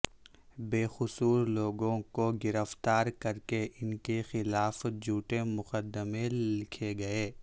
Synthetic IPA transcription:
beːxʊsuːɾloːɡõkoɡɪɾəft̪aːɾkɐɾkeʔɪnkexɪlaːfd͡ʒʱuːʈemʊqəd̪ːəmẽlɪkʰeɡɐeː

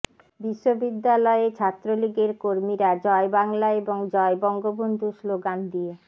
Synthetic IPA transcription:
biʃːobid̪ːalɔet͡ɕʰat̪ːɾoliɡeɾkoɾmiɾad͡ʑɔebaŋlaeboŋd͡ʑɔebɔŋɡobond̪ʱusloɡand̪ie

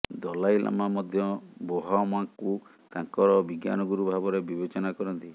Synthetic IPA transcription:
d̪ɔlajlʔa̰mamɔd̪ʱjɔboɦamuaku | t̪aŋkɔɾɔbiɡja̰nɔɡuɾubʱabɔɾebibet͡ʃɔnakɔɾɔnt̪i

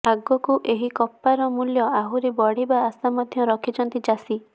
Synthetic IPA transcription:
aɡɔkuʔeɦikɔpːaɾɔmuljɔaɦuɾebɔɽ̤ibaːsamɔd̪ʱjɔɾɔkʰit͡ʃʰɔnt̪id͡ʒasi

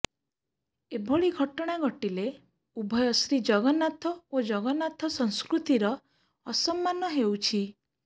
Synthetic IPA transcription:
ebʱoɭiɡʱɔʈɔɽ̃aɡɔʈile | ubʱɔjɔsɾid͡ʒɔɡɔnat̪ʰɔod͡ʒɔɡɔnat̪ʰɔsɔŋ̃skɾut̪iɾɔː | sɔmːanɔɦewt͡ʃʰi

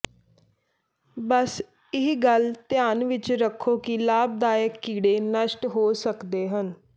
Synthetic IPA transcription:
bəs | ɪɦɡəlt̪ɪjaːnʋɪt͡ʃɾəkʰːoːkɪlaːb̚d̪aːjəkːiːɽeːnəʃʈɦoːsəkd̪eːɦən

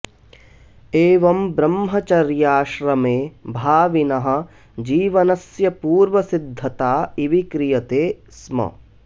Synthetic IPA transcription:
eːʋɐmbɾɐmɦɐt͡ʃɐɾjaːʃɾɐmeːbʱaːʋinɐɦɐ̆ | d͡ʒiːʋɐnɐsjɐpuːɾʋɐsid̪ʱːɐt̪aːiʋikɾijɐt̪eːsmɐ̰

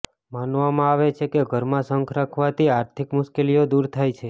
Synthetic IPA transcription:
manʋamãaʋet͡ʃʰekeɡʱəɾmãsəŋkʰɾakʰʋat̪iaɾt̪ʰikmʊʃkelijod̪uɾt̪ʰajt͡ʃʰe

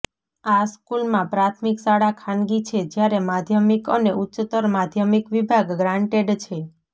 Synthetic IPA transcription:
askulmãpɾat̪ʰmiksaɽakʰanɡit͡ʃʰed͡ʒjaɾemad̪ʱjəmikəneʔutːʃt̪əɾmad̪ʱjəmikʋibʱaɡɡɾãɳʈeɖt͡ʃʰe

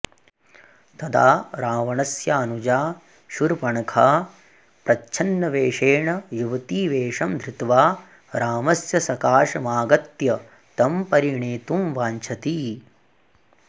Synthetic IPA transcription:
t̪ɐd̪aːɾaːʋɐɳɐsjaːnud͡ʒaː | ʃuɾpɐɳɐkʰaː | pɾɐt͡ʃʰɐnːɐʋeːʂeːɳɐjuʋɐt̪iːʋeːʂɐmd̪ʱɾit̪ʋaː | ɾaːmɐsjɐsɐkaːʂɐmaːɡɐt̪jɐ | t̪ɐmpɐɾiɳeːt̪umʋaːɲt͡ʃʰɐt̪i

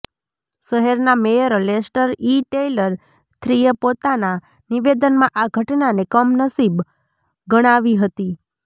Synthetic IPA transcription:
ʃəɦeɾnamejəɾəlesʈəɾiʈeləɾ | t̪ʰɾijəpot̪ana | niʋed̪ənmãʔaɡʱəʈnanekəmnəsib | ɡəɽ̃aʋiɦət̪i

